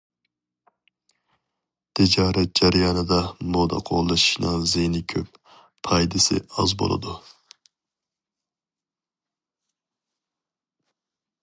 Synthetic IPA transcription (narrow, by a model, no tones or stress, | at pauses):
d̪̥id͡ʒɑːɾɛd͡ʒæɾjɑnɨd̪ɑmod̪ɑ̰qʰo̰lˠːɨʃi̥ʃnɨŋzenɪkʲʰøp | pʰɑjd̪ɨsɪ̰ɑzbo̰lˠɨ̰d̪u